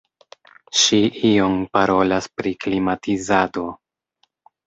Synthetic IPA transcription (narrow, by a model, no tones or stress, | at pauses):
ʃiʔio̞mpaɾo̞laspɾiklimatʰizado̞